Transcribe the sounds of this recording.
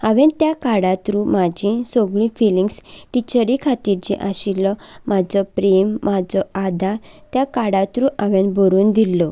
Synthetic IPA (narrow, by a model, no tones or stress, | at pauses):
aʋent̪jakaɽãt̪ɾũmad͡ʑĩsoɡɭĩfiliŋɡsʈit͡ɕəɾikʰat̪iɾt͡ɕḭ̃ʔaɕilɔmad͡zɔpɾemːad͡zɔad̪ʱaɾt̪jakaɽãt̪ɾũʔaʋenbʱoɾuːnd̪ilːɔ